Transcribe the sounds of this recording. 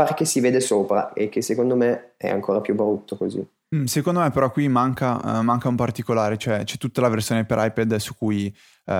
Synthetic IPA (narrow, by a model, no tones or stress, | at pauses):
aɾek̟esiveːd̪esoːpɾa̰ek̟ːesːekond̪omeɛ̰a̰ŋkʰoːɾapjubɾut̪ʰːokozḭ | sekond̪omepeɾɔkːwimaŋka̰maŋkaumpart̪ikolaːɾet͡ʃoɛt͡ʃɛt̪ːut̪ːalaversjoːnepeɾʔajpɛd̪sukuj